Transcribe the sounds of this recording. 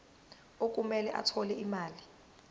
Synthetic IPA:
ok̬ʼumɛlɛʔa̰tʰɔlɛimaːli

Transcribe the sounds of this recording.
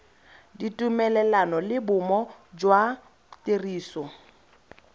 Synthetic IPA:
ditʼumɛlɛlanɔlɪbʊmɔd͡ʒwa | teriːsɔ

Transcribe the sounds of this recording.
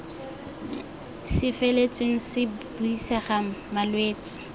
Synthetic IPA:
ʃɪfelet͡sʼɪŋ̩sɪb̥uisɛχamalweːt͡sɪ̥

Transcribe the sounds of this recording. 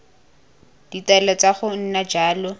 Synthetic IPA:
d̥italɔt͡saχʊn̩nad͡ʒaːlɔ

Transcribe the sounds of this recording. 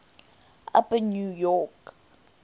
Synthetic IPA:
a̰pənjujɔk

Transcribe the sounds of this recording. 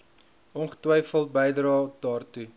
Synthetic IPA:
ʔɔnχə̥twɛjfəlˠt̚bəjdrɑːdɑːrtu

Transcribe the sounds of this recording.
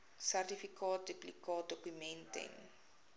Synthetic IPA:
særtifikɑːt̚diplikɑːt̚dɔkymɛntɛ̰n

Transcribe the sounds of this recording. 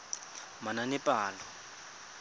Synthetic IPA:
mananipʼaːlɔ

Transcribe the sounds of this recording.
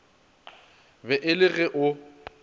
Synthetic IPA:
bɛʔɪlɪɣɛʔʊ

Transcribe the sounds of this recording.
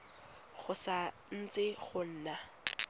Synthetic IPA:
χʊsa | n̩t͡sʼɪɣʊn̩ːna

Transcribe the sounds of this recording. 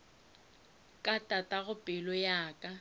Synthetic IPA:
kʼatʼatʼaɣʊpʼɪlɔjaːkʼa

